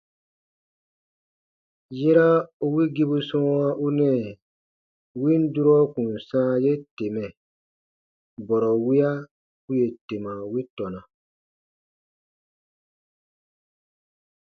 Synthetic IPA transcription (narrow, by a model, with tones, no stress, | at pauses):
jɛ˦ɾa˦u˦wi˦ɡi˦bu˦sɔ̃˦wa˦ʔu˦nɛ̃˦˨ | wi˦n̩˦du˦ɾɔ˦kũ˨n˨sã˦je˦te˨mɛ̃˨ | bɔ˨ɾɔ˨wi˦a˦ | u˦je˨te˨mã˨wi˦tɔ˨nã˨